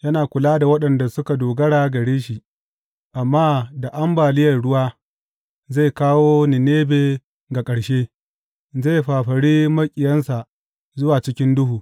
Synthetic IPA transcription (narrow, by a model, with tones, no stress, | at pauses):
jɐ˦naː˨kʷʊ˨laː˦da˨wɐ˦ɗɐ˨nda˨sʊ˦ka˨doː˨ɡɐ˦ɽaː˨ɡɐ˨ɽeː˦ʃi˨ | ʔa˨mːaː˦da˨ʔa˦mbaː˨lɪ˦jɐ˨rɽʊ˦waː˦ | ze˦˨jkaː˦woː˦nɪ˨neː˦beː˨ | ɡa˨kʼɐ˨ɽʃeː˦ | ze˦˨jɸaː˨ɸɐ˨ɽiː˦mɐ˦kʲʼɪ˨jɐ˦nsa˨ | zʊ˦waː˨t͡ʃɪ˦kʲɪ˦ndʊ˦huː˨